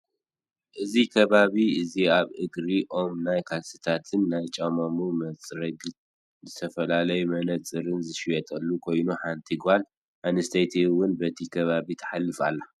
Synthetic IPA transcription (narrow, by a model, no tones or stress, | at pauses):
ʔɨzikʰɐβaβiɨziaβʔɨɡɾiʔo̞mnajkʰalsɨ̥t̪ʰat̪ʰɨnːajt͡ʃʼɐmomumɐt͡sʼɾɐɡɨ | zɨt̪ʰɐfɐlalɐjumɐnɐt͡sʼɨɾɨnzɨʃijɛt̪ʼɐlːukʰo̞jnuħant̪ʰiɡβal | anɨst̪ʰejt̪ʰewʊnbɐt̪ʰikʰɐβaβit̪ʰɐ̥ħalːɨfa̰lːa